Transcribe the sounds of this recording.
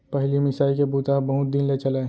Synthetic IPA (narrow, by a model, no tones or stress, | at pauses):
pəɦlimɪsaːikebuːt̪aɦbɐɦʊt̪̚d̪inlet͡ʃɐla